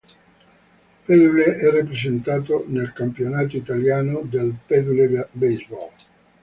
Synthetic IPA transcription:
pɛd̪uleʔɛrːapɾezent̪aːt̪onelkampjonaːt̪oit̪aljaːnod̪elpɛd̪ulebezbɔ̰l

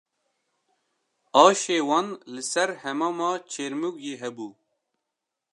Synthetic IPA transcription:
ɑːʃeːwɑnlɨsɛɾhɛmɑmɑːt͡ʃʰeːɾmuɡjeːɦɛbuː

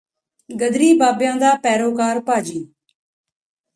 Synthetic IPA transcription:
ɡəd̪ɾiːbaːbjãːd̪aːpɛːɾoːkaːɾpaːd͡ʒiː

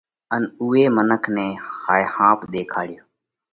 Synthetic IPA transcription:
ənuːeːmənəkʰneːhaːjhãːpɗ̪eːkʰaːɽɪjoː

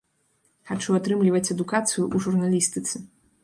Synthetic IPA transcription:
xat͡ʂuat̪ɾɨmlʲivɐt͡sʲɛd̪ukat̪sɨjuʔuʐurnalʲist̪ɨt̪sɨ

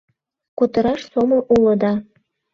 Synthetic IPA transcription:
kut̪ɤ̆ɾɑʃsomɤ̆ʔulɤ̆d̪ɑ

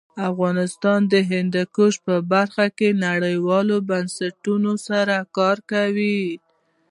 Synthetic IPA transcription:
afɣɑnɪst̪ɑnd̪əɦɪnd̪akoʃpəbaɾxakenaɽəjwɑlobansaʈunosaɾakɑɾkawi

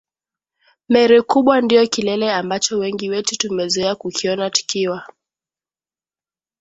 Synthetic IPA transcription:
mɛɾɛkuɓwandijɔkilɛlɛambat͡ʃɔwɛŋɡiwɛtutumɛzuɛakukʰiɔnati̥kiwa

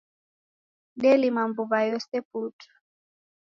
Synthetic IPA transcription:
ɗɛlimambuβajɔsɛputʰḁ

